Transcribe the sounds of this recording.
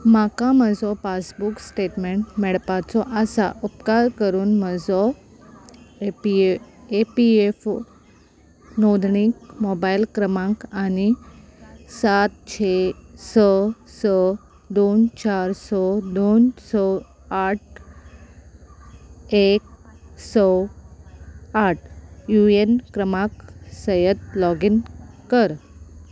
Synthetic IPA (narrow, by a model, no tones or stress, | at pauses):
makaməd͡zɔpasbuksʈeʈmeɳʈmɛɭpat͡sɔʔəsa̰ʔupkaɾkəɾuːnməd͡zɔ | epief | nod̪ʱɳik̚mobailkɾəmãŋkani | sat̪̚t͡ɕʰesɔsɔ | d̪oːnt͡ʃaːɾsɔd̪onsɔ | aʈ̚ʰ | eːk̚sɔ | aːʈʰjuenkɾəmãksəjət̪lɔːɡinkəɾ